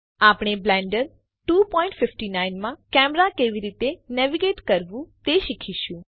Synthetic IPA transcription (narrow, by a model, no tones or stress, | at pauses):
apɳ̃eblɛ̃ɳɖəɾ | ʈupɔĩɳʈfɪfʈinainmãkɛmɾakeʋiɾit̪enɛʋiɡeʈkəɾʋũt̪eʃikʰiʃũ